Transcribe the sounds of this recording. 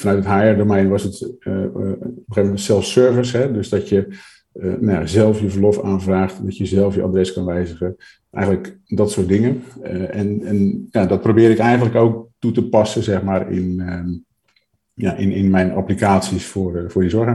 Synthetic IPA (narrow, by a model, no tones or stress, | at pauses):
fɔnœɥtətɦaːɛrdomɛjnʋɔsət | opəxevənmɛtsɛlˠfsøɹvəsɦɛdøzdɔtjə | najazɛlˠfjəvərlɔfaːnvraːχtdɔtjəzɛlˠfjəʔa̰drɛskɑnʋɛjzəɣə | ʔɛ̰jɣənləkdɔtsʊːt̚dɪŋənɛnɛnjadɔt̚prowbɪːɾɪkɛjɣəntləkowk̚tutəpɑsəzɛxmaːrɪ̰n | jaʔɪnɪnmɛjna̰plikaːtsisfʊrfʊːdizɔɹxa